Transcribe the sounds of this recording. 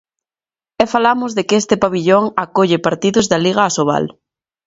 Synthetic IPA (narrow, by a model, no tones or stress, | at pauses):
ɛfalamʊzðekest̪ɪpaβiʎoŋakoʎepaɾt̪iðʊzðaliɣ̞aːsoβa̰l